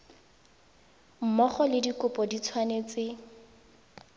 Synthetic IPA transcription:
m̩mɔχɔlɪdikʊpɔdit͡sʰwanet͡sɪ

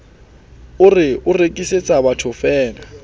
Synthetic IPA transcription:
ʊrɪʊrekʼiset͡sʼabatʰʊfɛːna

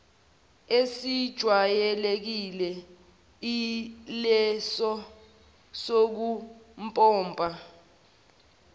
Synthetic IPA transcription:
esid̥ʒ̥ʱwajɛlek̬ilɛ | ilɛsɔ | sok̬umpʼɔːmbʱʼa

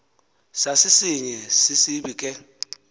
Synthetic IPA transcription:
sasisiɲɛsisibikʼɛ

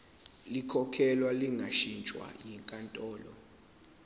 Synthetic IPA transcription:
likʰɔkʰɛlwaliŋɡʱaʃint͡ʃʼwa̰jiŋkʼantʼɔːlɔ̰

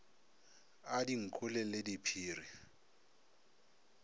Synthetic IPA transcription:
adiŋ̩kʰʊlɪledipʰiːri

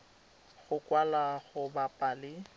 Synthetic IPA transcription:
ɣʊkʼwalaɣʊbapʼalɪ

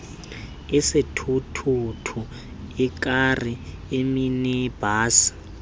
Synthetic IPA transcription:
ɛsitʰutʰutʰu | ik̬ʼarieminɛb̥ʱaːsḁ

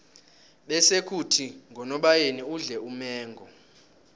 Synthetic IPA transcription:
ɓɛsekʰutʰiŋɡʱɔnɔɓajeniuɮɛumɛːŋɡʱɔ

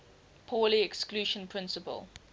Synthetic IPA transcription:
pʰɔːliɛkskluːʃə̃npʰɹɪ̃nsəpə̰lˠ

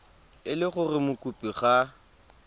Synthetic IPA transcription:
ɪlɪχʊrɪmʊkʼupʼiχa

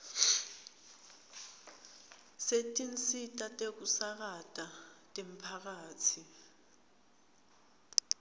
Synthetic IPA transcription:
setʼint͡sʼitʼatʼek̬usak̬atʼatʼem̩pʰak̬aːtʰi

